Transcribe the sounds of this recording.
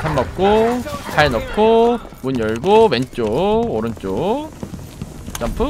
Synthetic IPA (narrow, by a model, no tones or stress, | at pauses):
tʰamːʌk̚k͈otʰaenʌkʰo | munjʌɭɡowent͡ɕ͈ooɾɯnt͡ɕ͈o | t͡ɕ͈ampʰɯ